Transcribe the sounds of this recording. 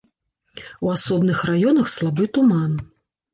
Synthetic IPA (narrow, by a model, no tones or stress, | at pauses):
uasɔbnɨxrajɔnɐxslˠabɨt̪uman